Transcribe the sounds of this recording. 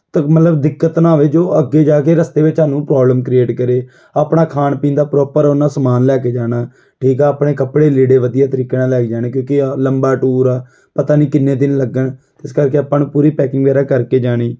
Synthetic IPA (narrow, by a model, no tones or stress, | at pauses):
t̪əmət̪ləbd̪ɪkːət̪nãːʋeːd͡ʒoːəɡːeːd͡ʒaːkeːɾəst̪eːʋɪt͡ʃaːnũːpɾɔːbləmkɾieːʈkəɾeː | aːpɽaːkʰaːnpĩːnd̪aːpɾɔːpəɾonãːsəmaːnlɛːkeːd͡ʒaːɽaː | ʈʰiːkaːaːpɽeːkəpɽeːleːɽeːʋəd̪ijaːt̪əɾiːkeːnãːlɛːkd͡ʒaːñẽːkjõːkiləmbaːʈuːɾaː | pət̪aːnĩːkɪnːẽːd̪ɪnləɡəɳt̪ɪskəɾkeːəpãːnũːpuːɾiːpɛːkɪŋɡʋɛːɾaːkəɾkeːd͡ʒaːɽ̃iː